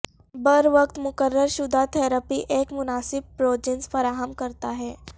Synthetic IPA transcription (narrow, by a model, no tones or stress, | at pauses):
bəɾʋəkt̪mʊkəɾːəɾʃʊd̪ʱat̪ʰɛːɾəpiʔeːkmʊnaːsɪb̚pɾoːd͡ʒɪ̃nsfɐɾaːɦəmkɐɾt̪aɦɛː